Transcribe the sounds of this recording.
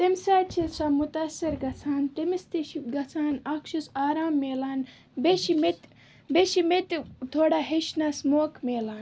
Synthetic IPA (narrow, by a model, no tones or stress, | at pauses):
t̪emsaːt͡ʃʰisamut̪ɐsɐɾɡɐt͡sʰaːnt̪emist̪iʃiɡɐt͡sʰaːnakʃɐsaːɾaːmːeːlaːn | beʃimet̪ | beʃimet̪t̪ʰoːɽaːɦeʃnasmoːkmeːlaːn